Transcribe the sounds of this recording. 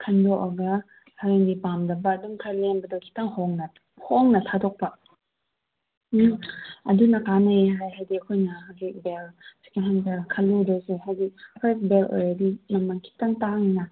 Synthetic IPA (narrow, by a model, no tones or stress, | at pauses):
kʰɐndɔʔɐɡɐ | haɾaŋdipamdɐbɐːdumkʰalenbɐdɔkʰi̥taŋhɔŋnɐ | hɔŋnɐtʰatʰɔk̚pa | ɐdunɐkanaiɦajɦajdiɐkʰojnɐɦazik̚belsi̥kenɦanɡakʰaludɔseɦajdipesbelo̰jɾadimɐmɐŋkʰi̥taŋtaŋina